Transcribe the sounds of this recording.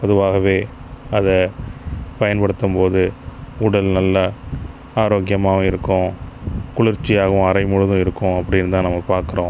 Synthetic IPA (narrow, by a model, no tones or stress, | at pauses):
pɔðɯʋaːɣɐʋeːɐðɐ | pɐjɐnpɐɽɯt̪ːɯmpoːðɯʊɽɐlnɐlːɐ | aːɾoːkjɐmaːɣɐɪɾɯkːʊ̃kʊɭɪɾt͡ʃːɪjaːɣɐʊ̃ɐɾɐɪmʊɻɯðʊ̃ɪɾɯkːʊ̃ɐpːɐɽɪnːt̪ãːnɐmːɐpaːɾkɯɾõː